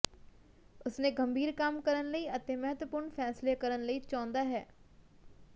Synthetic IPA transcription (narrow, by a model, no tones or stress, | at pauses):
ʊsnẽːɡəmbʱiːɾkamkəɾənləiət̪ẽːmɛɦət̪ʋəpʊɾɳfʰɛːslekəɾənləiːt͡ʃɔ̃ːnd̪aːɦɛː